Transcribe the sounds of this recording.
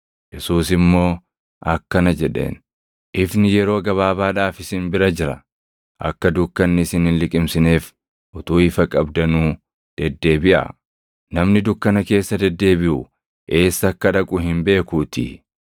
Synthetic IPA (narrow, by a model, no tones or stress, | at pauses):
jɛsuːsɪmːo̞ː | ʔɐkːɐnɐd͡ʒɛᶑe̞̰ːn | ʔɪfnɪjɛɾo̞ːɡɐβaːbaːᶑaːfɪsɪnbɪɾɐd͡ʒɪɾɐ̰ | ʔɐ̰kːɐd̪ʊkːɐnːɪsɪnhɪnlɪkʼɪmsɪne̞ːf | ʔʊt̪uːɪfɐkʼɐbd̪ɐnuː | d̪̥ɛd̪ːe̞ːbɪʔɐ̰ | nɐmnɪd̪ʊkːɐnɐke̞ːsːɐd̪ɛd̪ːe̞ːbɪʔʊ | ʔe̞ːsːɐkːɐᶑɐkʼʊɦɪmbe̞ːkuːt̪ɪ̰